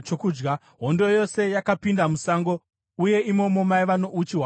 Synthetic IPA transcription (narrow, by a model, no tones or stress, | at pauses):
t͡ʃokuːd͡ʒɡa | ɦondo̞jo̞se̞jakapindamusaŋɡo̞ | uje̞imo̞mo̞maiʋano̞ʔut͡ʃiɦwa